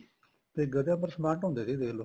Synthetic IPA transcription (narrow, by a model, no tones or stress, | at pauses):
p̪eːɡəd̪jãːp̬əɾsəmaːɾʈɦõnd̪eːsiːd̪eːlo